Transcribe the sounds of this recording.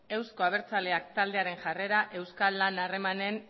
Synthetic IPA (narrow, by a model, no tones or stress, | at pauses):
e̞wsko̞aβ̞e̞ɾt͡sale̞akt̪ald̪e̞aɾe̞nʝare̞ɾaʔe̞wskalːanare̞mane̞n